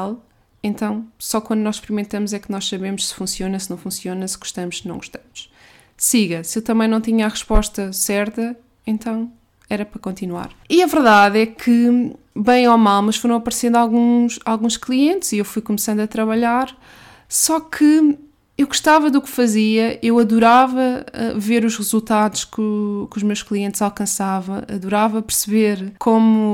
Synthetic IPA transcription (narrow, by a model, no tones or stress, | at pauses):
lˠ | ẽnt̪ɐ̃w̃sɔkwɐ̃nd̪unɔzʃpɨɾimẽnt̪ɐmuzɛknɔʃsɐβemʊʃsɨ̥fũsjonɐsɨnɐ̃w̃fũsjonɐsɨɣu̥ʃt̪ɐmʊʃsnɐ̃w̃ɡuʃt̪ɐmʊʃ | siɣɐsewt̪ɐmɐ̃nɐ̃w̃t̪̬iɲɐaʁɨʃpɔʃt̪ɐsɛɾt̪ɐ | ẽnt̪ɐ̃w̃ | ɛɾɐpɾɐkõnt̪inwa̰ɾiɐvɨɾðaðɛkʰɨ | bɐ̃j̃ɔmalˠmɐʃfoɾɐ̃w̃ɐpɐɾsẽnd̪ualˠɣũʃalˠɣũʃklˠiẽnt̪z̥iewfujkumsɐ̃nd̪ɐt̪ɾɐβɐʎaɾ | sɔkʰɨ | ewɣuʃt̪avɐðukfɐziɐʔewɐðuɾavɐɛ̰veɾuʃʁɨzulˠt̪aðuʃkukuʒmewʃklˠiẽnt̪z̥alˠkɐ̃savɐ̃w̃ɐ̰ðuɾavɐpɨɾsɨβeɾkʰomu